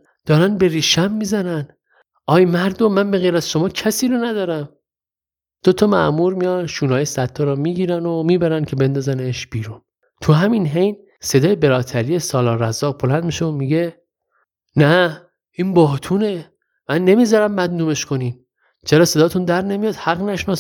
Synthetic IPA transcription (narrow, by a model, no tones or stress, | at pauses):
d̪̥ɒːɾænbe̞ɾiːʃæmːiːzænæn | ɒːjmæɾd̪omænbeɣejɾæzʃo̞mɒːcʰæsiːɾonæd̪ɒːɾæm | d̪̥ot̪ʰɒmæ̰ʔmuɾmijɒnʃuːnɒːjesæt̪ʰːɒɾɒːmiːɟiːɾænomiːbæɾæncʲʰe̞be̞nd̪ɒːzæneʃbiːɾuːn | t̪ʰuɦæminɦe̞jn | se̞d̪ɒːjebe̞ɾɒːt̪ʰæɾije̞sɒːlɒːɾæzːɒːbo̞lænd̪miʃeomiɟe̞ | næ | inbɒːt̪ʰuːne̞ | mænːe̞mizɒɾæmːæd̪nuːme̞ʃkʰo̞niːn | t͡ʃʰeɾɒːsedɒːt̪ʰund̪æɾne̞mijɒːd̪̥hæɣnæʃnɒs